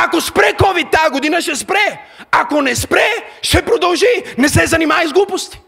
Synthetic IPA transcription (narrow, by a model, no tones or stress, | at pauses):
akospɾɛkɔvit̪ːaɡod̪inəʃɛspɾɛakonɛspɾɛʃɛpɾod̪ɐlˠʒinɛsɛzɐnimajzɡlˠupost̪i̥